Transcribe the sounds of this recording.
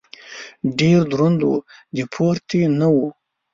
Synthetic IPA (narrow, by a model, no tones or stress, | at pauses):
ɖeɾd̪ɾond̪ṵd̪ipʰoɾt̪ʰinawu